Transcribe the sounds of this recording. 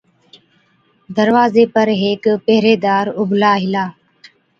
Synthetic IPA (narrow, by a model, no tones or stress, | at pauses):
d̪əɾʋaːzeːpəɾɦeːkpeɦɾeːd̪aːɾʊblaːɦɪlaː